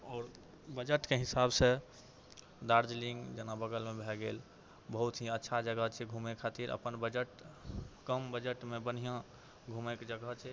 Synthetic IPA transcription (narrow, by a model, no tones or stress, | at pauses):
ɔːɾ | bəd͡ʒəʈkeɦisabse | d̪aɾd͡ʒlĩŋɡd͡ʒenabəɡəlmebʱɛɡel | bəɦut̪ɦiətːʃʰad͡ʒəɡət͡ʃʰɛɡʱumekʰːat̪iɾə̰pənbəd͡ʒəʈkəmbəd͡ʒəʈmebən̤ijã | ɡʱumekd͡ʒəɡət͡ʃʰɛ